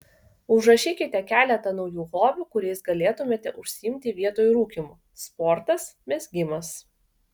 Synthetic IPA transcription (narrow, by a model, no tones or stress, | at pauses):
ʊʒɾɐʃʲiːkʲɪt̪ʲɛkʲæːlʲɛt̪ɐnɒʊjuːɣoːbʲuːkʊɾʲɛɪsɡɐlʲeːt̪ʊmʲeːt̪ʲɛʔʊʃʲsʲɪɪmʲt̪ʲɪʋʲiɛt̪oːjɾuːkʲimuː | spɔːɾt̪ɐsmʲɛzɡʲɪmɐs